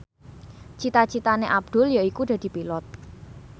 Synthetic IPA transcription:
t͡ʃit̪at͡ʃit̪aneʔab̚d̪̥ʊ̤ljaikud̥̪a̤d̪̥i̤pilɔt̪̚

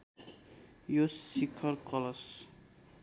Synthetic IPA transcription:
josikʰʌɾkʌlʌs

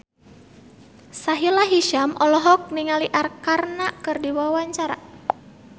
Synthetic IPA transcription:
saɦilaɦiʃamɔlɔɦɔk̚niŋaliʔarkarnakɨrdiwawaɲt͡ʃaɾa̰

